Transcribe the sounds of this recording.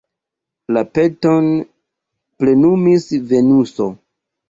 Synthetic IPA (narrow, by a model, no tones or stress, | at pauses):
lape̞to̞n | ple̞numisve̞nuso